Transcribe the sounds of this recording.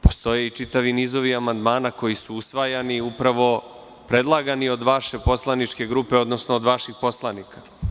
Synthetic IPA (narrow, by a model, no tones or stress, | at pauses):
po̞̥st̪o̞je̞it͡ʃit̪aʋiniːzo̞ʋiamand̪maːnako̞jisuusʋajaniupɾaʋo̞ | pɾe̞d̪lˠaɡanio̞d̪ʋaʃe̞po̞slˠanit͡ʃke̞ɡɾuːpe̞o̞d̪no̞snoːd̪ʋaʃixpo̞slˠanika